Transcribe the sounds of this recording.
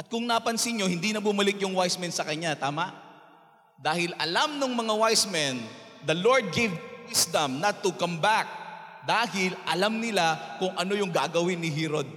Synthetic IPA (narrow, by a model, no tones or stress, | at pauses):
ʔɐt̪̚kʊŋnapɐnsɪnɲɲo̞hɪnd̪inɐbʊmɐlɪk̚jʊŋwajsmɛnsɐkɐɲat̪aːmaʔ | d̪aːhɪlɐlamnʊŋmɐŋawajsmɛnd̪ɐloɹd̪̚ɡevwɪsd̪ɐmnɐt̪ʊkɐmbak̚ | d̪aːhɪlʔɐlamnɪlakʊŋʔɐno̞jʊŋɡaʔɡɐwɪnːɪɦɛɾod̪̚